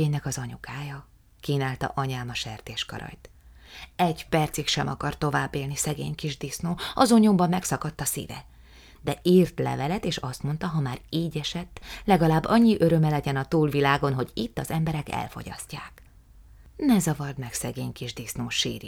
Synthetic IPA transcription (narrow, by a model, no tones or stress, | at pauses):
eːɲnɛkɒzɒɲukaːjɒ | kiːnaːlt̪ɒ̰ʔɒɲaːmɒʃɛ̰rt̪eːʃkɒ̰ɾɒ̰jt̪ | ɛɟpɛrt̪sikʃɛmɒ̰kɒrt̪o̞vaːbːeːlnisɛɡḛːɲkiʒd̪isnoːɒzo̞ɲombɒmːɛksɒkɒt̪ːɒsḭvɛ̰ | d̪ɛʔiːrt̪lɛ̰vɛlɛt̪eːʃɒst̪mo̞n̪t̪ɒɦɒmaːriːɟɛʃɛt̪ːlɛɡɒlaːbːɒɲːiʔø̞ɾø̞mɛlɛɟɛnɒt̪uːlvilaːɡo̞nɦo̞ɟit̪ːɒzɛmbɛɾɛkɛ̰lfo̞̰ɟɒ̰scːaːk | nɛzɒvɒrd̪mɛksɛɡeːɲkiʒd̪isnoːʃḭːɾi